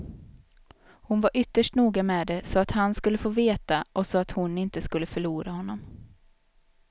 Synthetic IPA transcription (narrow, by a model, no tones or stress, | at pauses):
hʊnvaɾʔʏt̪ːəʂʈnuːɡamɛːd̪ɛsɔat̪hanskɵlːəfoːveːt̪aʔɔsɔat̪hʊnɪnt̪əskɵlːəfœɭuːɾahɔnːɔm